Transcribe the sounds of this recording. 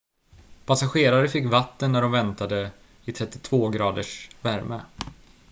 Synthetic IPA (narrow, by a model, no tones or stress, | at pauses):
pʰasaɧeːɾaɾəfɪkːvat̪ːənːæɖɔmvɛnt̪ad̪ə | ɪt̪ʰɾɛt̪ːɪt̪ʰv̥oːɡɾɑːd̪əʂvæɾmə̰